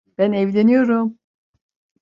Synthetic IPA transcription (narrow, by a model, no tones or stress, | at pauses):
b̥ænɛvlʲenijo̞ɾum